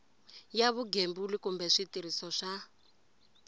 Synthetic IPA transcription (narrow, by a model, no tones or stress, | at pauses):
jaβuɡembulikumbɛʂitiɾisɔʂa